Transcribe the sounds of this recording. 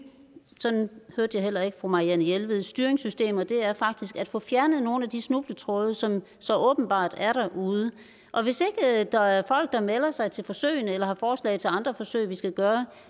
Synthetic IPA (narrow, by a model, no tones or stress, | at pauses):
sɒ̽nhøɐd̥əjɑ̈ɪɦel̰ɐe̝ɡ̥əfʁomɑ̈iænəjelʋeð̩ˠsd̥yɐʁeŋsysd̥e̝̰ːmɐd̥e̝æɐfɑ̈ɡ̥̚d̥isɡ̥æd̥fɔ̽fjæɐnəð̞̩ˠno̝ːn̩æd̥isnub̥lət͡sʰʁɔð̩ˠsɒ̽m | sɒ̽ʔɔ̽ːb̥n̩b̥ɑ̰̈ːd̥æɐɾæʔuːð̞ˠə | ʔɒ̽ʋe̝se̝ɡ̥əd̥ɑ̈æɐfɒ̽l̰ɡ̥̚d̥ɑ̈melɐsɑ̈ɪt͡sʰe̝lfɒ̽sø̰ɪ̰nəelɐhɑ̈fɒːslɛ̰ɪt͡sʰe̝lɑ̈nd̥ʁɐfɒ̽sø̰ɪʋisɡ̥æɡ̥ɶːɐ